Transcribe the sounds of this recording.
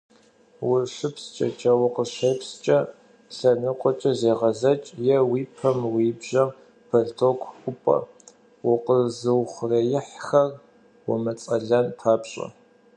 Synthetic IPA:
wʊrʃʷɨpʰst͡ʃʼɐ̰t͡ʃʼɐwʊqəʃeːpst͡ʃʼɐ | ɬɐnɨqʷʼɔt͡ʃʼɐzeːʁɐzɐt͡ʃʼjɛwiːpʰɐmwiːbʒɐm | pʰɐrtʰokʷʰkʷʼʊpʼɐ̰ | wʊqəzɨwχʷʊrɐjɪħxɐr | wʊmɐt͡sʼɐɮɐnpʰaːpɕʼɐ̰

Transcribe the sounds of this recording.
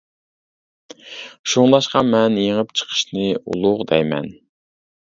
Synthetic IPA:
ʃuŋlˠɑʃqɑmɛnjeŋəpt͡ʃʰə̥qʰə̥ʃnɨṵlˠʊʁd̪ɛjmɛ̰n

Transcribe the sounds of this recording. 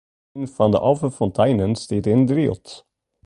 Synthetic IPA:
nfand̪ə̰ʔɑfəfɔnt̪ʰaɪnənst̪id̪ɪnd̪ɾiːɔ̰t̪

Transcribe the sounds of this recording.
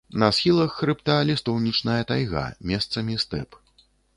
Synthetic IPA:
nɐsxʲilˠɐxːɾɨpt̪alʲist̪ɔwnʲit͡ʂnɐjɐt̪ajɣa̰mʲɛst̪sɐmʲist̪ɛ̰p

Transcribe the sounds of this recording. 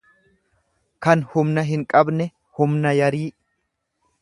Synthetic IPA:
kɐnhʊmnɐɦɪŋkʼɐbnɛ | hʊmnɐjɐɾiː

